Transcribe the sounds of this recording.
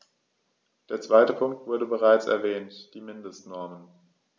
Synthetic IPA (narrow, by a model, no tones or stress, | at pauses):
d̥eːɐt͡sv̥aɪtəpʰʊŋk̚tv̥ʊɐdəbəʁ̞aɪt͡sɛ̰ɐvɛːntd̥iːmɪndəstnɔɐmən